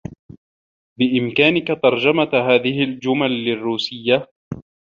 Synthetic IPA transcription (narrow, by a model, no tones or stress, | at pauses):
bɪʔɪmkaːnɪkat̪ɑɾˤd͡ʒamaɦaːðɪhɪld͡ʒʊmalːɪrːuːsɪjːa